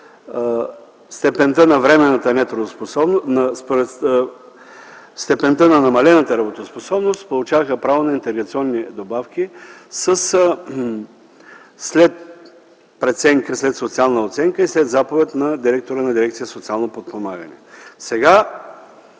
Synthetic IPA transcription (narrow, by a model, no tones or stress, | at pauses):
st̪ɛpɛnt̪ənɐvɾɛmɛnːət̪ənɛt̪ɾod̪osposɔbnnɐspoɾɛ | st̪ɛpɛnt̪ənɐnɐmɐlɛnət̪əɾɐbot̪osposɔbnost̪polˠut͡ʃavəxəpɾavonɐint̪ɛɡɾɐt̪siɔnːid̪obafk̟isəs | slɛt̪ | pɾɛt̪sɛŋkəslɛt̪sot̪sialˠnəot̪sɛŋkəislɛd̪zapovɛt̪nɐd̪iɾɛk̚t̪oɾənɐd̪iɾɛkt̪sijəsot̪sialˠnopot̪̚pomaɡɐnɛ̰sɛɡa